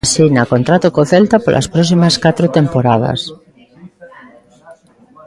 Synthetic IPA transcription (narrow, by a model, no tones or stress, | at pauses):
sinakont̪ɾat̪okoθelt̪apolʔa̰spɾɔsimaskat̪ɾot̪empoɾaða̰s